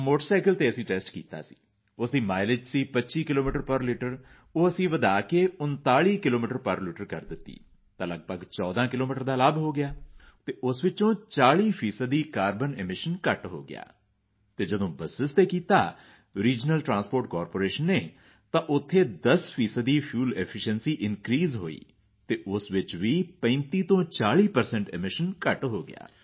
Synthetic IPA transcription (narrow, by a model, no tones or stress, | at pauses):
moːʈəɾsaːkəlt̪eːəsĩːʈɛːsʈkḭːt̪a̰ːsi̥̰ː | ʊsd̪iːmaːɪlɪd͡ʒsiːpətːʃiːkɪloːmiːʈəɾpəɾliːʈəɾ | oːəsĩːʋəd̪aːkeːʊnt̪aːɭiːkɪloːmiːʈəɾpəɾliːʈəɾkəɾd̪ɪt̪ːḭː | t̪ãːləɡ̚pəɡt͡ʃɔːd̪ãːkɪloːmiːʈəɾd̪aːləbɦoːɡɪjaːt̪eːʔʊsʋɪt͡ʃõːt͡ʃaːɭiːpʰiːsəd̪ːiːkaːɾbənɪmɪʃənkəʈɦo̰ːɡɪ̰ja̰ː | t̪eːd͡ʒəd̪õːbəsɪst̪eːkiːt̪aː | ɾiːd͡ʒnəlʈɾãːnspoːɾʈkɔːɾpoːɾeːʃənːeː | t̪ãːʔʊt̪ʰːeːd̪əspʰiːsəd̪iːpʰjuːlɛpʰɪʃənsiːʔɪnkɾiːzɦoːḭː | t̪eːʔʊsʋɪt͡ʃʋiːpə̃ɪnt̪iːt̪õːt͡ʃaːɭiːpəɾsɛ̃ɳʈɪmɪʃənkəʈɦoːɡɪja̰ː